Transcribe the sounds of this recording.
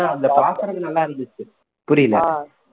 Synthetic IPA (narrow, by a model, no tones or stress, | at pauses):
ãːɐnd̪ɐpaːsɐɾɐnɪnɐlːãːɪɾɯnd̪ɯt͡ʃːɯ | pʊɾɪjlɐ̰